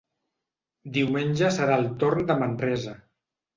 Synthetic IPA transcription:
d̪iwmenʲʒəsəɾaəlˠt̪oɾnd̪əmənrɛzə

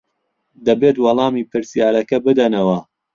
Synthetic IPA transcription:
d̪ɐbet̪wɑlˠɑːmiːpʰɨɾsijaːlɐkɐbɨd̪ɐnɐwɐ

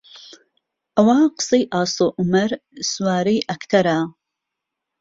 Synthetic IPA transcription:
ʔɐwaːqɨ̥sˤejʔɑːsˤoːʔumɐɾswaːɾijʔɐkt̪ʰɐɾaː

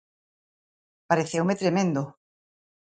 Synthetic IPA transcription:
paɾeθewmet̪ɾemẽnd̪o

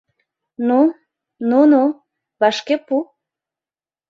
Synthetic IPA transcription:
nu | nunu | βɑʃkepu

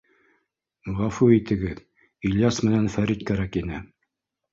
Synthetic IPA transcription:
ʁɑfuit̪ɘ̆ɡɘð | ɵ̆lʲjɑsmɘ̆nænfæɾit̪̚kæɾækinɘ

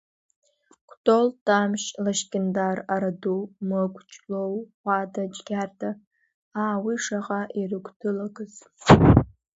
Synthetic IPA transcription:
kʷʰtʰʼoltʼamʃlaʃkʲʼɪndaraɾadumɨkʷʼt͡ʃʼlowχʷadad͡ʒɡʲartʰa | aːwiʂaqʼaʔirɨkʷtʰɨlaɡɨz

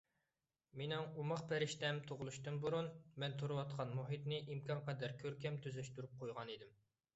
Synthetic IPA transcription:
menɪŋumɑχpɛɾɪʃt̪ɛmt̪ʰoʁlˠuʃt̪ɨnbuɾunmɛnt̪ʰoɾɨwɑt̪̚qʰɑnmuɦit̪nɪʔimkʰʲɑnqʰɛd̪ɛɾkʲʰøɾkʲʰɛmt̪ʰyzɛʃt̪yɾyp̚qʰojʁɑnid̪ɪm

